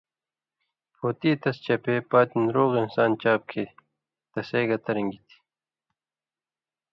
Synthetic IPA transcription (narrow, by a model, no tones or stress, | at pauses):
pʰoːt̪iːt̪ɐst͡ɕɐpeːpaːt̪inɾoːɣinsaːnt͡ɕaːp̚kʰe | t̪ɐseːɡɐt̪ɐɾɐŋɡit̪ʰi̥